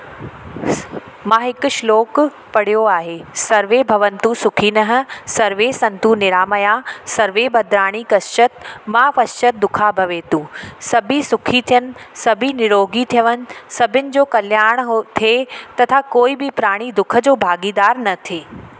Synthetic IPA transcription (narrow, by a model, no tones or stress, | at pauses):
mãːɦɪkʊʃloːk | pɐɽ̤ijoaːɦeːsɐɾʋebʱɐʋənt̪ũsʊkʰiːnəɦə̆sɐɾʋesɐ̃nt̪unɪɾaːməjasɐɾʋebʱɐd̪ɾaːɽ̃ikɐst͡ɕət̪mãːʋɐst͡ʃət̪̚d̪ʊkʰabʱɐʋeːt̪ũːsɐbʱisʊkʰit̪ʰijənɪ̆sɐbʱinɪɾoːɡit̪ʰijəʋənɪ̆sɐbʱɪnɪ̆d͡ʑoːkɐljaːɾɽ̃ɦt̪ʰet̪ɐt̪ʰakoːibɪpɾaːɽ̃id̪ʊkʰə̆d͡ʑoːbʱaːɡiːd̪aːɾnɐt̪ʰeː